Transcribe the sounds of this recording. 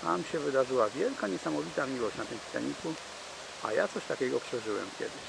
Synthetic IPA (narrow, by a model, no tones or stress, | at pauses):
t̪a̰mɕɛvɘd̪aʐɘwavʲjɛlkaɲɛsamɔvʲit̪amʲiwɔɕt͡ɕnat̪ɘmst̪ɛ̰ɲiku | a̰ja̰t̪sɔɕt̪akʲɛɡɔpʂɛʐɘwɛ̰mkʲɛ̰d̪ɘɕ